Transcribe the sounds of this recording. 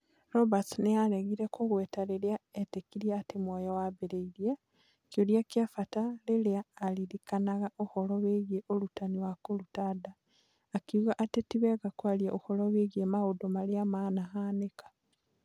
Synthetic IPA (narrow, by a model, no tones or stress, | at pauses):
ɾobat͡snejaleɣiɾekoɣwetaleleaetekiɾjaːtimwojowaβeɾeiɾja | kjoljakjafataleleaːliɾikanaɣaʔoholoβeɣjeʔolutaniwakolutadaː | kiɣaʔːtetiβeɣakwalijaʔoholoβeɣiemaɣodomaljamaːnaɦanekḁ